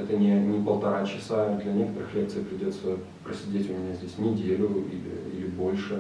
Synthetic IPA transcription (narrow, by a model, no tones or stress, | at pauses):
ɛt̪ənʲɪnʲɪpəlˠt̪ɐɾat͡ɕɪsad̪lʲɐnʲe̞kət̪əɾɨxlʲe̞k̚t̪sɨjpɾʲɪdʲo̞t̪sə | pɾəsʲɪdʲetʲʊmʲɪnʲazʲdʲesʲnʲɪdʲelʲʊḭlʲɪ̰ḭlʲɪbo̞lʲʂɨ